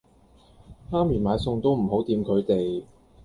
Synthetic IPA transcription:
haː˥mjyː˨˩maː˨˧jsʊ˧ŋt̪o˥wm̩˨˩ɦo˨˥wt̪iː˧mkʰɵ˨˧ɥt̪e˨j

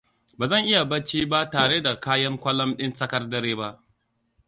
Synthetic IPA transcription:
baː˨zɐ˦˨ŋʔɪ˦ja˨bɐ˦t͡ʃiː˦ba˦taː˨ɽeː˦da˨kaː˦jɐ˦ŋkʷɐ˦lɐ˦mɗɪ˦nsɐ˦kɐ˦rdɐ˦ɾeː˦ba˦ʔ

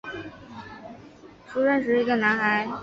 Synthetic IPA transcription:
ʂu˧˥ʂə˥˩nʂ̬ɻ̩˧˥i˧˥ɡə˧na˧˥nxa˧˥ɪ

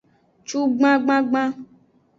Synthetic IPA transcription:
t͡ʃu˦ɡ͡bã˦ɡ͡bã˦ɡ͡bã˦

